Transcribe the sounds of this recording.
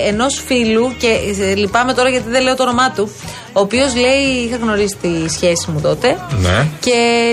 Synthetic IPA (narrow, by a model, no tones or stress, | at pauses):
eno̞sfiluce̞lipɐme̞t̪o̞ɾɐʝɐt̪iðele̞o̞t̪oono̞mɐt̪u | oːpiozle̞iixɐɣno̞ɾisi̥t̪isçe̞simut̪o̞t̪e̞nece̞